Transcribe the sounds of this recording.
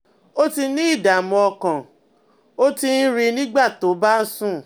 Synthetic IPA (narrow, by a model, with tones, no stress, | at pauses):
o˦ti˧nĩ˦i˦˨da˨mɔ̃˧ɔ˧kã˨ | o˦ti˧n̩˦ɾi˧nĩ˦ɡ͡ba˦˨to˨˦ba˦n̩˦sũ˦˨